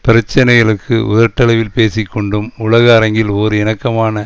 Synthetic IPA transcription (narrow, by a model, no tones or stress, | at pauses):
pɪɾɐt͡ʃːɐnɐɪɣɐɭɯkːɯʊ̰ðɐɾʈːɐlɐʋɪlpeːsɪkːɔɳɖɯmʊlɐɣɐːɾɐŋɡɪloːɾɯɪnɐkːɐmaːnɐ